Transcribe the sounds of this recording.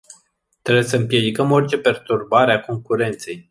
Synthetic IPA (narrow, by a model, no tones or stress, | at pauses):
t̪ɾebujesəɨmpje̞d̪ikəmo̞rʲt͡ʃe̞pe̞rt̪urbaɾeako̞ŋkuɾe̞nt̪se̞j